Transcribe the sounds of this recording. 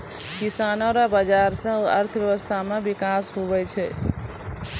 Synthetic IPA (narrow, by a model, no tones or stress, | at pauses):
kisanoɾabad͡ʒaɾsẽuəɾt̪ʰbjəʋəst̪ʰamẽbikasɦubɛt͡ʃʰɛ